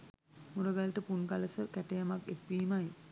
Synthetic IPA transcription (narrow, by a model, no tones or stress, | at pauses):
muɾəɡalʈəpunkaləsəkæʈejamakekːiːmaj